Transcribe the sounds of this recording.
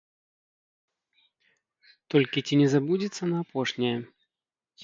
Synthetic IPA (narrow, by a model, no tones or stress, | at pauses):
t̪ɔlʲkʲit͡sʲinʲɛzabud͡zʲit̪sːɐnɐːpɔʂnʲɛjɛ